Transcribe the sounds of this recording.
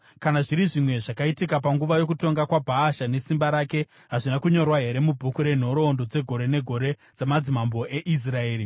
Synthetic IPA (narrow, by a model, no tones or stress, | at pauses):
kanaʐiɾiʐimwe̞ʐakaitikapaŋɡuʋajo̞k̬uto̞ŋɡakwabʱaːʃane̞simbaɾaːke̞ | ɦaʐinakuɲo̞rwaɦe̞ɾe̞mubʱukuɾe̞n̤o̞ɾo̞ːndo̞d͡ze̞ɡʱo̞ɾe̞ne̞ɡʱo̞ɾe̞ | d͡zamad͡zimambo̞ʔe̞ʔis̬rae̞ːɾi